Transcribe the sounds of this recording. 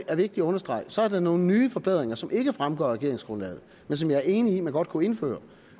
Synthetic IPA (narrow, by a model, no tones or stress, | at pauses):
ʔæɐʋe̝ɡ̥̚d̥iæɔ̽nɐsd̥ʁɑ̈ɪ̰sɒ̽æɐd̥ɑ̈no̝ːn̩nːyːfɒ̽b̥eð̞̰ˠʁeŋɐsɒ̽mʔe̝ɡ̥əfʁamɡ̥ɒ̰ːʁɛɡ̥e̝ɐe̝ŋsɡ̥ʁɔ̽nlɛ̰ːð̞̩ˠ | mensɒ̽mjɑ̈ɪæɐe̝ːniimænɡ̥ɒ̽d̥kʰue̝nfø̰ːɐ